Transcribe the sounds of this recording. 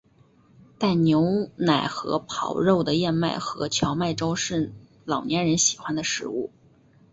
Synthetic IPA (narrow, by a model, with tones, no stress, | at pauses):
t̪a˥˩ɪnjo˧˥ʊna˨˩ɪxɤ̰˧˥pʰɑ˨˩ʊɻo˥˩ʊd̪ə˩jɛ˥˧nma˥˩ɪxɤ̰˧˥t͡ɕʰjɑ˧˥ʊma˥˩ɪʈ͡ʂo˥ʊʂɻ̩˥˩ | lɑ˨˩ʊnjɛ˧˥nɻə˧˥nɕi˨˩xwa˥nd̪ə˨ʂɻ̩˧˥ṵ˥˩